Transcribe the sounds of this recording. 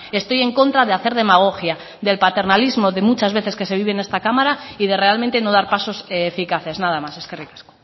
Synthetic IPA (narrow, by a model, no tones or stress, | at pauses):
e̞st̪o̞je̞ŋko̞nt̪ɾaðeaθe̞ɾð̞e̞maɣ̞o̞xja | ðe̞lpat̪e̞ɾnalizmo̞ðe̞mut͡ʃazβ̞e̞θe̞ske̞se̞βiβ̞ene̞st̪akamaɾaið̞e̞re̞almẽnt̪e̞no̞ð̞aɾpaso̞sːfikaθe̞znað̞amase̞skerikḁsko̥